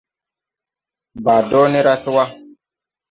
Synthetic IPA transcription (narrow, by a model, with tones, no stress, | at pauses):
ba˨dɔː˦ni˦ɾa˦si˦wa˦